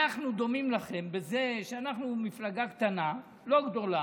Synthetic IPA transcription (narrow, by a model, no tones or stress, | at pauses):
aχnud̪o̞mimlaχe̞mbe̞ze̞ʃeanaχnumiflaɡakt̪ana | lo̞ɡd̪o̞la